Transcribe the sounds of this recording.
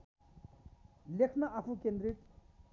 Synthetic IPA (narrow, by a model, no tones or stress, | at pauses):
lekʰnʌʔapʰũkẽnd̪ɾiʈ̪